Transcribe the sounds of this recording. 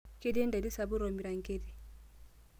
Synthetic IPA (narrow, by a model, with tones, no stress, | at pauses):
ke˦de˦nda˨di˦sa˨bu˦ɾɔ˨mi˨ɾa˨ŋke˦di˨